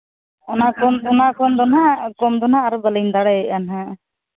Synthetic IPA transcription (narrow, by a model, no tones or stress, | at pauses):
ɔnakɔnɔnakɔnd̪ɔnakɔmd̪ɔnaʔaɾɔbələnd̪aɽɛɛʔanɦã